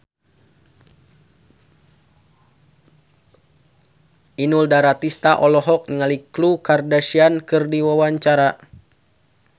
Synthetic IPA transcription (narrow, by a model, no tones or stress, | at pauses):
inuldaɾat̪ist̪aʔɔlɔɦɔk̚nəŋaliklukardaʃiankɨrdiwawaɲt͡ʃaɾa